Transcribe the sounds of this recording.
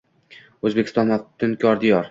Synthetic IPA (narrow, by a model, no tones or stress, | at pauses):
ɵzbekʲɪ̥st̪ɒnat̪ʰːɪnkʲʰɒɾd̪ijɒɾ